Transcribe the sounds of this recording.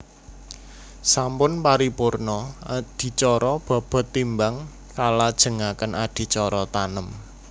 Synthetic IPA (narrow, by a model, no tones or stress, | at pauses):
sampʊnpaɾipʊrnɔd̪̥i̤t͡ʃɔɾɔb̥a̤b̥ɔ̤t̪ːimbaŋ | kalad̥ʒ̥ə̤ŋakənʔad̥i̤t͡ʃɔɾɔt̪anəm